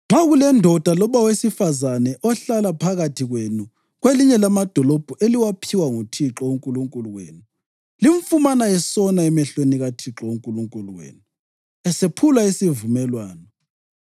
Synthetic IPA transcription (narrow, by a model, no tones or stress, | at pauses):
ŋ͡ǁaɣulɛndʱɔd̥ʱalɔβawesifazanɛʔɔɬalapʰaɣatʰiɣwenu | ɣweliɲɛlamad̥ʱɔlɔb̥ʱuʔeliwapʰiwaŋutʰiǁɔoŋkʼuluŋkʼuluɣwḛːnu | liɱfumanaɛsɔnaɛmɛɬweniɣatʰiǁɔwoŋkʼuluŋkʼuluɣwḛnu | ɛsepʰulaisivumɛlwaːnɔ